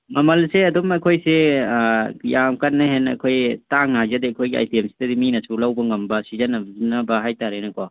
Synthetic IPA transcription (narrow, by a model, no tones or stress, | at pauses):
mɐmɐlseɐdomɐjkʰojse | jamkɐtnːɐɦenɐ̰kʰojtaŋnaazɐdiɐkʰojɡia̰jtiemsi̥dɐdiminɐsulawbɐŋɐmbɐsizɐnɐnɐbɐɦajtaɾenɐkwa